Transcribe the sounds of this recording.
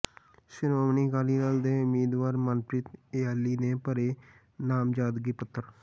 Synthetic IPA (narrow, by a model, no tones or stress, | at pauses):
ʃɪnoːmniːɡaːliːnald̪eːʊmiːd̪ʋaːɾmənpɾɪt̪eːaːlːiːneːpəɾeː | naːmd͡ʒaːd̪ɡiːpət̪ʰːəɾ